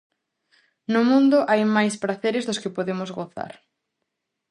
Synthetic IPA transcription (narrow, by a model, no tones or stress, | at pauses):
nʊmũnd̪ʊʔajmajspɾaθeɾɪzðʊskɪpoðemʊzɣoθa̰ɾ